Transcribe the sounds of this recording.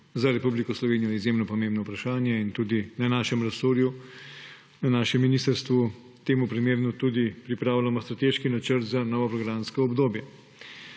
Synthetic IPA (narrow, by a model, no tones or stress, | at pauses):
zaɾɛpublikɔslɔʋeːnijɔjɛizjemnɔpɔmẽmbnɔupɾaʃaːnjɛint̪uːd̪inanaːʃɛmɾasoːɾju | nanaːʃɛmːiniːst̪əɾst̪ʋu | t̪eːmupɾimeːɾnut̪ud̪ipɾipɾaːwlamɔst̪ɾat̪eːʃkinat͡ʃəɾt̪zanɔːʋɔpɾɔɡɾamskɔɔbd̪oːbjɛ